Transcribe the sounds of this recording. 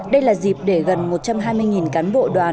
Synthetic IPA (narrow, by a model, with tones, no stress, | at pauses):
ɗə˧jlaː˨˩zi˨˩p̚ɗe˧˩ɣə˨˩nmo˨˩t̚t͡ɕa˧mɦaː˧jmɨ˧jŋi˨˩nkaː˨˦nɓo̰˧˨ɗwaː˨˩n